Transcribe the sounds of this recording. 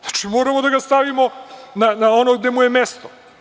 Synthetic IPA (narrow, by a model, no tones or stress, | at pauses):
ḁt͡ʃimoɾamod̪aɡast̪aʋimonanaonoɡd̪emujemest̪o